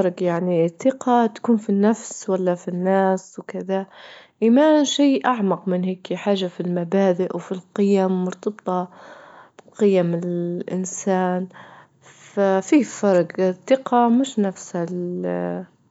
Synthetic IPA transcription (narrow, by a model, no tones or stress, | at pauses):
ɾˤɡjaʕnit̪ːɪqʰɑt̪ḁkuːnfinːafswalːafinːaːswkɪðaʔiːmaːnʃiːʔaʕmɑqmɪnɦeːkiħaːʒːafilmabaːd̪ɪʔwfilqɪjamːʊɾt̪ɑbt̪ˤɑ | b̥qɪjamɪlʔɪ̰nsaːn | fafiːfɑɾˤɡθːɪqɑmɪʃnafshal